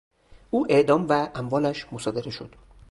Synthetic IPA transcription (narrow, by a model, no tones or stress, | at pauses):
ʔuːʔe̞ʔd̪ɒːmvæʔæmvɒːlæʃmo̞sɒːd̪e̞ɾe̞ʃo̞d̪̥